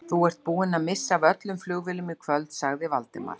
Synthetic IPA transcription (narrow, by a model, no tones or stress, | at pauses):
θuɛr̥t̪̚puːɪnamɪsːavœt̪lʏmflʏɣvɪlʏmikʰvœlt̪saɣðɪvalt̪ɪ̰ma̰ɾ